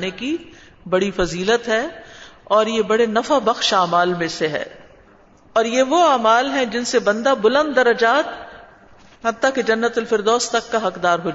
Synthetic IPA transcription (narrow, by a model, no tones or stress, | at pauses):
neki | bɐɽifɐziːlət̪ɦɛːɔːɾjebɐɽenɐfabɐxʃaːmaːlmẽseɦɛ̰ː | ɔːɾjeʋoaːmaːlɦɛ̃d͡ʒɪnsebɐ̃nd̪abʊlə̃nd̪̚ːɐɾəd͡ʒaːt̪̚ | hɐt̪ːaked͡ʒɐnːət̪ɐlfɪɾd̪ɔːst̪ɐkːaɦɐqd̪aːɾɦoa